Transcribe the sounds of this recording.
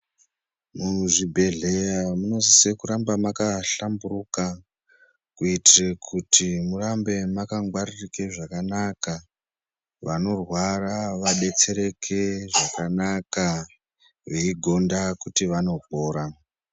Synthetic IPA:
muʐibʱe̞ɮe̞jamuno̞zisekuɾambamakaɬamburuka | kuitirekʰutʰimurambe̞makaŋɡwaririkeʐakanaka | ʋano̞rwaraʋaɗe̞t͡se̞ɾe̞kʰeʐakanaka | ʋeiɡʱo̞ndakutiʋano̞poːɾa

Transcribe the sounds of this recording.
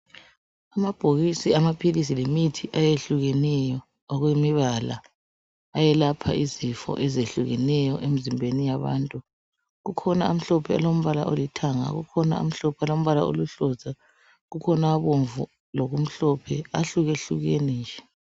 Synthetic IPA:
amab̥ʱoɣisiamapʰilis̬ilemitʰiʔajeɬuɣɛnɛjɔ | ɔɣwemiβala̰ː | jɛlapʰa̰izifɔ̰ʔɛzeɬuɣɛnɛjɔʔemizimbʱenijaβa̰ːntʼu | ɣukʰɔnaum̩ɬɔpʰɛa̰lom̩βala̰ʔolitʰaŋa̰ɣukʰɔna̰ṵm̩ɬɔpʰɛalom̩βala̰o̰luɬɔza | ɣukʰɔnaβoɱvu | loɣum̩ɬɔpʰɛaɬuɣeɬuɣeniːnd͡ʒɛ

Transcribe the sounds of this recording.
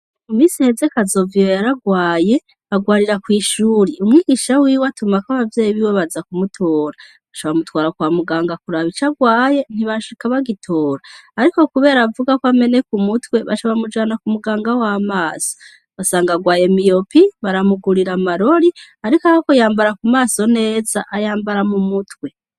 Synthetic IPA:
umiːsihe̞ze̞kazo̞vijojaɾaɡwaːje̞ | aɡwaːɾiɾakwiːʃuːɾiumŋiːɡiʃawiːwatumakaβavjeːjiβiweβazakumutʰoːɾa | βaʃoβamutwaːɾakwamuɡaːŋɡakuɾaβit͡ʃaɡwaːje̞n̥iβaʃikaβaɡitʰoːɾaːɾiko̞kuβe̞ːɾavuɡakwame̞ne̞kumutwe̞βaʃoβamud͡ʒaːnakumuɡaːŋɡawamaːso̥ | asaːŋɡaɡwaːje̞mijo̞piβaɾamuɡuɾiɾamaɾo̞ɾi | aɾikahakojaːmbaɾakumaːso̞ne̞ːzaʔːjaːmbaɾamumutwe

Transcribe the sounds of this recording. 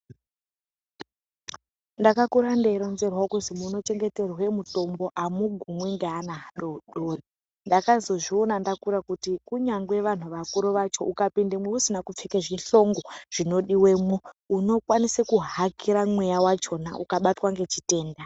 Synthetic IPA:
ndakakuɾandeɾonze̞rwakuzimuno̞t͡ʃe̞ŋɡe̞te̞rwe̞muto̞mbo̞ʔamuɡʱumweŋɡeanaɦaɗo̞ɗoːri | ndakazo̞ʐio̞nandakuɾakutikuɲaŋɡwe̞ʋan̤uʋakuɾoʋat͡ʃo̞ʔukapindemweusinakup͡fekeʐiɬo̞ŋɡoʐ̥ino̞ɗiwemwuuno̞kwanisekuɦakiɾamwe̞jawat͡ʃo̞na̰ʔukaɓatwaŋɡe̞t͡ʃite̞ːnda

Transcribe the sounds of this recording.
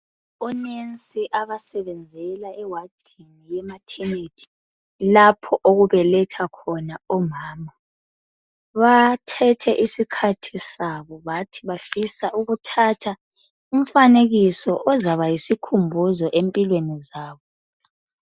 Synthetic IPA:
ɔnent͡sʼiʔaβasɛβɛnd͡zʱɛlaɛwad̥ʱinijɛmatʰɛnetʰi̥ | lapʰɔʔoɣuβɛlɛtʰakʰɔnaɔmaːma | βatʰɛtʰɛʔisikʰatʰisaβɔβatʰiβafisaʔuɣutʰatʰa | um̩faneɣisɔʔɔzaβajisikʰumbʱuzɔʔempʼilwenizaːβɔ

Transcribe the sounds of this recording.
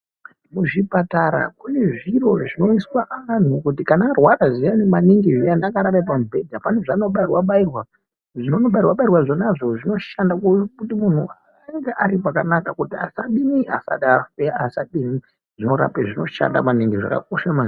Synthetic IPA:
muʐipataɾa̰kune̞ʐiro̞ʐino̞iswaʔaan̤ukutikanarwaɾazianemaniŋɡiʐianakaɾaɾepamubʱe̞dapane̞ʐano̞ɓairwaɓairwa | ʐino̞noɓairwaɓairwaʐonaʐo̞ʐino̞ʃandakukutimun̤ua | eŋɡeʔaɾipakanakakutia̰saɗinia̰sa̰ɗaeasaɗini | ʐ̥ino̞ɾa̰peʐino̞ʃa̰nda̰maniŋɡiʐa̰ka̰k̚oʃama

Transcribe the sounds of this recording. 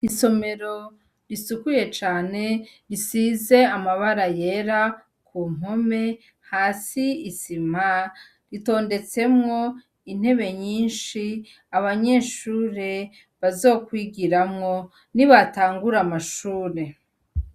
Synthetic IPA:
iso̞me̞ɾo̞ | ɾisukuje̞t͡ʃaːne̞ɾisize̞amaβaɾaje̞ɾa | kʰuːm̥ome̞ | haːsiisim̥a | ɾito̞ːnde̞t͡se̞mŋo̞ | in̥he̞βe̞ɲiːnʃi | aβaɲe̞ːʃuːɾe̞ | βazo̞ːkwiɡiɾamŋo̞ | niβataːŋɡuɾamaʃuːɾe̞

